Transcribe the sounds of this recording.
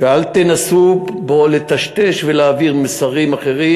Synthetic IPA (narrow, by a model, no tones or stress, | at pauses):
vealt̪enasubo̞let̪aʃt̪e̞ʃvelaːviʁmesaʁimaχe̞ʁi